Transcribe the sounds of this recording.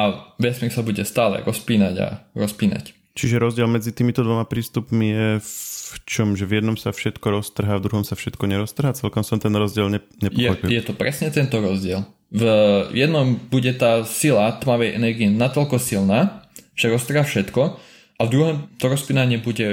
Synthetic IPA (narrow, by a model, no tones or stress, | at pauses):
aʋɛsmiɾsabuɟɛst̪aːlɛ̰ɾʔɔspiːnaɟa̰ɾɔspiːna̰c | t͡ʃiʒɛɾɔzɟɪɛlmɛd͡zit̪iːmit̪ɔd̪ʋɔmapɾiːst̪upmijɛft͡ʃɔmʒɛvjɛd̪nɔmsafʃɛt̪kɔɾɔst̪r̩ɦaːvd̪ɾuɦɔmsafʃɛt̪kɔɲɛɾɔst̪r̩ɦaːt͡sɛlkɔmsɔmt̪ɛnɾɔzɟɪɛlɲɛ | ɲɛpɔjɛɔpiljɛt̪ɔpɾɛsɲɛt̪ɛnt̪ɔɾɔzɟɪɛl | vjɛd̪nɔmbuɟɛt̪aːsilat̪maʋɛjʔɛ̰nɛɾɡiɛnat̪ɔlkɔsilnaːʒ̥ɛɾɔst̪r̩ɦaːfʃɛt̪kɔ | ʔavd̪ɾuɦɔmt̪ɔɾɔspiːnaɲɪɛbuɟɛ